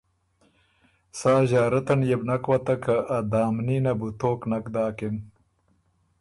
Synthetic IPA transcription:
saːʑaːɾɐt̪ɐnjebnɐkwɐt̪ɐkɐːd̪aːmniːnɐbut̪oːknɐkd̪aːkin

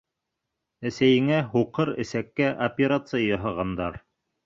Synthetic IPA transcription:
æsæjɘ̆ŋæɦuqɤɾɘ̰̆sækːæʔopʲeɾat̪sɨjajɑɦɑʁɑnd̪ɑɾ

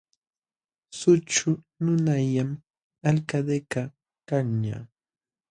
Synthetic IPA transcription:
sʊt͡ʃʊ | nʊnajam | alkad̪eka | kaŋɲa̰

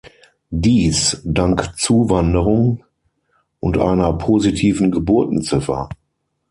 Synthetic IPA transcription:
diːsdaŋkt͡suːvandəʁʊŋ | ʔʊntʔa̰ɪnɐpʰozitʰiːvn̩ɡəbʊɐtn̩t͡sɪfɐ̰

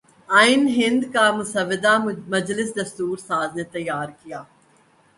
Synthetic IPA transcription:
aːɪnɦɪ̃nd̪kamʊsəʋːɪd̪amɐd͡ʒlɪsd̪ɐst̪uːɾsaːznet̪ɐjːaːɾkijaː

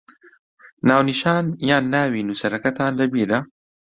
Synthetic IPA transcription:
naːwniʃaːnjaːnːaːwiːnuːsɐɾɐkɐt̪ʰaːnlɐbiːɾɐ

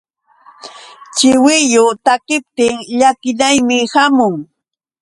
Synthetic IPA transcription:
t͡ʃɪwɪjʊt̪akɪp̚t̪ɪŋʎakɪnajmɪhamʊŋ

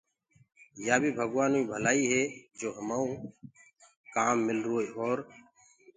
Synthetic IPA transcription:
jaːbʱiːbʱəɡʋaːnuːiːbʱəlaːiːɦeːd͡ʒoːɦəmaːũː | kaːmːɪlɾoːeːoːɾ

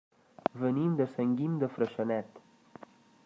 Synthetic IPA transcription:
vənimd̪əsəŋɡimd̪əfɾəʃənɛt̪

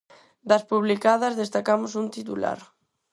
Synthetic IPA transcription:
d̪ɐspuβlikaðɐzðest̪akamʊsunt̪it̪ula̰ɾ

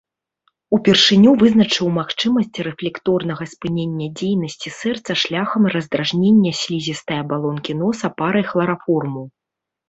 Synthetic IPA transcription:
upʲɛrʂɨnʲuvɨznɐt͡ʂɨwmaxt͡ʂɨmɐsʲt͡sʲrɛflʲɛkt̪ɔrnɐɣɐspɨnʲenʲːɐd͡zʲejnɐsʲt͡sʲisɛrt̪sɐʂlʲaxɐmrɐzd̪ɾaʐnʲenʲːɐsʲlʲizʲist̪ɐjɐbalˠɔnkʲin̪ɔsɐpaɾɐjxlˠɐɾafɔrmuw

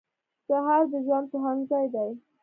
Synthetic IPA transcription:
saɦɑɾd̪əzwɑnpəɦaŋɡzɑjd̪aj

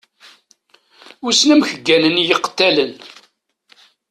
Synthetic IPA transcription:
ʊɾsnæmçəɡːænənjəqːt̪ːælən

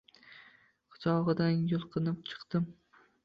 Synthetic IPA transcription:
qʰɨ̥t͡ʃʰɒʁɨd̪anjʊlˠqʰɨnɪp̚t͡ʃʰɨ̥qt̪ɪm

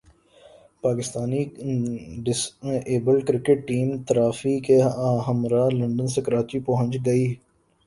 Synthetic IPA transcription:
paːkɪst̪aːni | ɖɪseːbəlkɾɪkeʈ̚ːiːmt̪əɾaːfikeɦəmɾaːlə̃ɳɖənsekəɾaːt͡ʃipɔɦə̃nt͡ʃɡɐiː

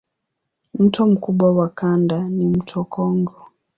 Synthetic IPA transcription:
m̩tɔm̩kuɓwawakandanim̩tʰɔkʰɔŋɡɔ

